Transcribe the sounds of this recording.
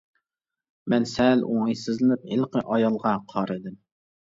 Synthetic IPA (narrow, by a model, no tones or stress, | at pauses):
mɛnsɛloŋɨjsɨzlɨnɪp̚hɪlqəʔɑjɑlˠʁɑqʰɑɾɨd̪ɪm